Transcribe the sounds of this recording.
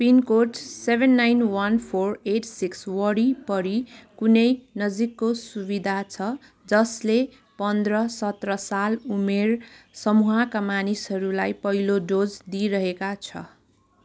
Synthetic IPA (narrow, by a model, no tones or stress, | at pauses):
pinkoʈsebʱenːajnwʌnpʰoreʈsikswʌɽipʌɾikunʌjnʌd͡zikːosubid̪ʱat͡sʰʌ | d͡zʌsle | pʌnd̪rʌsʌt̪rʌsalumersʌmuɦakamanisɦʌɾulajpʌɦiloɖod͡zd̪iɾʌɦekat͡sʰʌ̰